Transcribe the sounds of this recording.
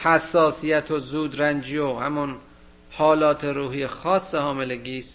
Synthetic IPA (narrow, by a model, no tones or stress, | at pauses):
hæsːɒːsijæt̪ʰozuːd̪ɾænd͡ʒijohæmon | hɒːlɒːt̪ʰeɾuːɦijexɒːsːehɒːmeleɡiːst̪